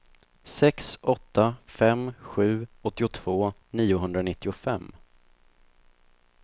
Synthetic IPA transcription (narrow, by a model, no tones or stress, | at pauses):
sɛksɔt̪ʰːafɛmɧʉ̟ːɔt̪ːɪʊt̪ʰv̥oːniːʊɦɵnd̪ɾanɪt̪ːɪʊfɛmː